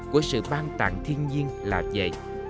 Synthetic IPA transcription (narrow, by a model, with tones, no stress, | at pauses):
ku˨˧˩əsɨ̰˧˨ɓaː˧nt̪a̰ː˧˨ŋt̪ʰi˧ənɲi˧ənlaː˨˩zə̰˧˨j